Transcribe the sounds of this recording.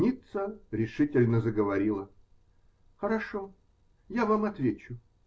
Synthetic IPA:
nʲit̪səɾʲɪʂɨtʲɪlʲnəzəɡəvɐɾʲilˠə | xəɾɐʂo | javamɐt̪vʲet͡ɕʊ

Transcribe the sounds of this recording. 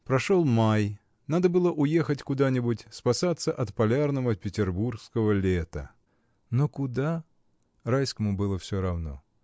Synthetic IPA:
pɾɐʂolˠmaj | nad̪əbɨlˠəʔʊje̞xətʲkʊd̪anʲɪbʊtʲspɐsat̪sːəʔɐt̪pɐlʲarnəvəpʲɪtʲɪrburskəvəlʲet̪ə̰ | nokʊd̪a | rajskəmʊbɨlˠəfsʲoɾɐvno̞̰

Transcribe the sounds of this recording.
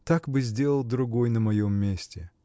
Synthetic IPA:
t̪akbɨzʲdʲelˠəlˠd̪ɾʊɡo̞jnəmɐjomːʲesʲtʲɪ

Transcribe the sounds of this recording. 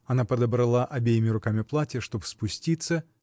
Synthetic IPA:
ɐnapəd̪əbɾɐlˠaʔʔɐbʲejɪmʲɪɾʊkamʲɪplˠatʲɪjəʂt̪o̞bspʊsʲtʲit̪sːə

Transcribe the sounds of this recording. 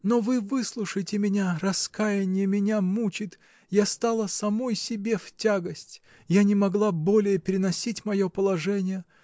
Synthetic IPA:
no̞vɨvɨslˠʊʂəjtʲɪmʲɪnʲarɐskajɪnʲɪjəmʲɪnʲamut͡ɕɪt̪ | jast̪alˠəsɐmo̞jsʲɪbʲe̞ftʲaɡəsʲtʲ | janʲɪmɐɡlˠabo̞lʲɪjəpʲɪɾʲɪnɐsʲitʲmɐjopəlˠɐʐɛnʲɪjə

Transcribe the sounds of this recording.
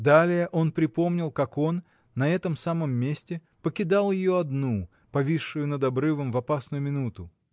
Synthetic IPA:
d̪alʲɪjəʔo̞npɾʲɪpo̞mnʲɪlˠkako̞nː | ɐɛt̪əmsaməmːʲesʲtʲɪ | pəkʲɪd̪alˠjɪjoɐd̪nu | pɐvʲiʂːʊjʊnəd̪ɐbɾɨvəmvɐpasnʊjʊmʲɪnut̪ʊ

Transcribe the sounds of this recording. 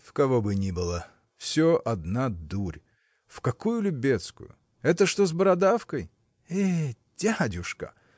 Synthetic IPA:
fkɐvobɨnʲibɨlˠə | fsʲoʔɐd̪nad̪uɾʲ | fkɐkujʊlʲɪbʲet̪skʊ̰jʊ̰ | ɛt̪əʂt̪ozbəɾɐd̪afkəj | e | tʲadʲʊʂkə̰

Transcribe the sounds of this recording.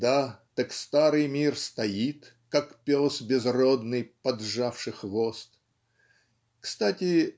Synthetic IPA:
d̪at̪ɐkst̪aɾɨjmʲirst̪ɐjit̪ | kakpʲosbʲɪzrod̪nɨjpɐd̪ʐafʂɨxvost̪ | kst̪atʲɪ

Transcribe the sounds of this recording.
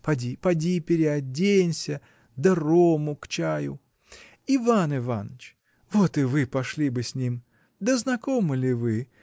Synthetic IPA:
pɐdʲipɐdʲipʲɪɾʲɪɐdʲenʲsʲə | d̪ɐromʊkt͡ɕajʊ̰ | ivanɪva̰nət͡ɕ | vo̞t̪ɨvɨpɐʂlʲibɨsʲnʲim | d̪əznɐkomɨlʲɪvɨ

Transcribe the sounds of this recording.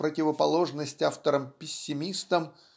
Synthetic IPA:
pɾətʲɪvəpɐlˠo̞ʐnəsʲtʲaft̪əɾəmpʲɪsʲːɪmʲist̪əm

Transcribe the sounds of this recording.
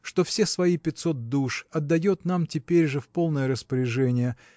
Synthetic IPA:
ʂt̪o̞fsʲesvɐipʲɪt̪so̞t̪̚d̪uʂɐd̪ːɐjot̪namtʲɪpʲeɾʲʐɨfpo̞lˠnəjəɾəspəɾʲɪʐɛnʲɪjə

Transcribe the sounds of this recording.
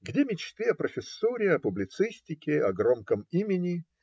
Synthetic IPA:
ɡdʲemʲɪt͡ɕt̪vʲeɐpɾəfʲɪsːuɾʲɪɐpʊblʲɪt̪sɨsʲtʲɪkʲɪɐɡromkəmimʲɪnʲɪ

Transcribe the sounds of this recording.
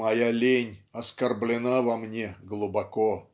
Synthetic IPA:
ɐjalʲenʲɐskɐrblʲɪnavɐmnʲeɡlˠubako

